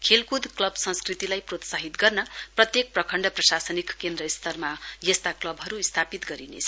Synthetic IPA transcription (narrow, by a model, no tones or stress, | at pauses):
kʰelkud̪ʱklʌbsʌ̃nskrit̪ilajprot̪saɦit̪ɡʌrnʌprʌt̪jek̚prʌkʰʌɳɖʌprʌsasʌnikkend̪ɾʌist̪ʌrmajʌst̪aklʌbɦʌɾuist̪ʰapit̪ɡʌɾinḛt͡sʰʌ